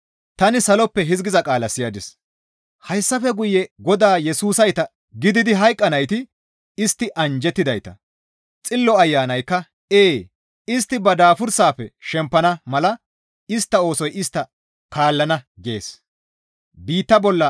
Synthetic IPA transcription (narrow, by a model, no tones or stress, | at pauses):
t̪ɐnɪsɐlɔpːɛɦɪzɡɪzɐkʼaːlɐsɪjɐd̪ɪs | hɐjsːɐfɛɡʊjːɛɡɔd̪aːjɛsuːsɐjt̪ɐ | ɡɪd̪ɪd̪ɪɦɐjkʼːɐnɐjt̪ɪ | ɪst̪ːɪʔɐnd͡ʒɛt̪ːɪd̪ɐjt̪ɐ̰ | t͡sʼɪlːɔɐjːaːnɐjkːɐ | eː | ɪst̪ːɪbɐd̪aːfʊɾsaːpːɛʃɛmpːɐnɐmɐlɐ | ɪst̪ːɐo̞ːsɔjɪst̪ːɐ | kaːlːɐnɐɡe̞̰ːs | biːt̪ːɐbɔlːɐ